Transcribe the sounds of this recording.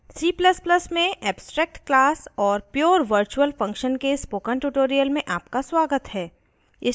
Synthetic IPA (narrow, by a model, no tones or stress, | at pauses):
siːpləspləsmẽʔɛːbsʈɾɛːk̚ʈklaːsɔːɾpjoːɾʋəɾt͡ʃuəlfɐ̃ŋkʃənkespoːkə̃ɳʈuʈoːɾijəlmẽʔaːp̚kaswaːɡət̪ɦɛː | ɪ